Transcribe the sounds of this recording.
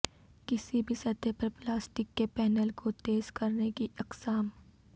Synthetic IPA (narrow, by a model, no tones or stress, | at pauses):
kɪsibʱisɐt̪epɐɾplaːsʈɪkːepɛːnəlkot̪eːzkɐɾnekiɐqsaːm